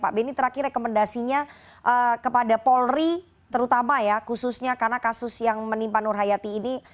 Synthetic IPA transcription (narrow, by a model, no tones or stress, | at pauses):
pa̰ʔbenit̪əɾakɪɾekoməndasiɲa | ʔəkəpadapɔlri | t̪əɾut̪amajakususɲakarnakasʊsjaŋmənimpanʊrɦajat̪iːni